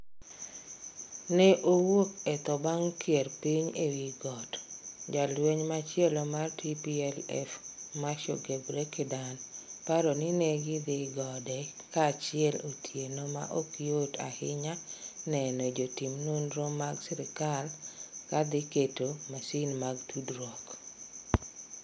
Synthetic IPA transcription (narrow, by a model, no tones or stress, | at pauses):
nɛʔowokɛt̪ɔbaŋkjɛrpiɲewiɡɔtd͡ʒalweɲmat͡ʃɪɛlɔmartipiɛlɛ̰fmaʃoɡebɾekɪdanpaɾonɪnɛɡɪd̪ɪɡɔdɛkat͡ʃɪɛlotʰjenoma̰ʔokiota̰hɪɲanɛnod͡ʒotimnonɾomaɡsɛɾɪkalkad̪ɪketomasinmaɡtʰudɾwɔk